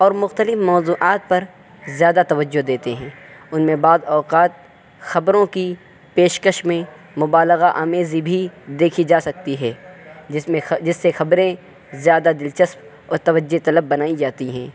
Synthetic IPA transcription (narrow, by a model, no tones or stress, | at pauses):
ɔːɾmʊxt̪əlɪfmɔːzuːʔaːt̪̚pɐɾ | zjaːd̪at̪ɐʋəd͡ʒːod̪eːt̪eɦɛ̃ːʊnmẽbaːd̪ɔːqaːt̪̚ | xɐbɾõki | peːʃkəʃmẽ | mʊbaːlɪɣaʔaːmeːzibʱid̪eːkʰid͡ʒaːsɐk̚t̪iɦɛːd͡ʒɪsmẽd͡ʒɪsːexɐbɾẽ | zjaːd̪ad̪ɪlt͡ʃəsm | ɔːɾt̪ɐʋəd͡ʒːet̪ɐləbːɐnaːid͡ʒaːt̪iɦɛ̃ː